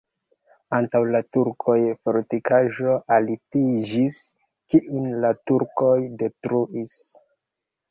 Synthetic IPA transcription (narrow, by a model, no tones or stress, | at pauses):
antawlatuɾkʰo̞jfoɾtikaʒo̞ʔalitid͡ʒis | kiʔunlatuɾko̞jde̞tɾuʔis